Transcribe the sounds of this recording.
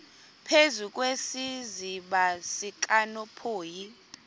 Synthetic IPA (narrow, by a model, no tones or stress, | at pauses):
pʰezuk̬ʼwesiziɓasik̬ʼanɔpʰoːji